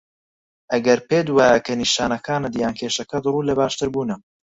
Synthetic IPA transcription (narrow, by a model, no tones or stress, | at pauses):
ʔɐɡɐɾpeːd̪waːjɐkʰɐniːʃaːnɐkʰaːnɨd̪jaːnkʰeːʃɐkɐd̪ruːlɐbaːʃt̪ɨɾbuːnɨm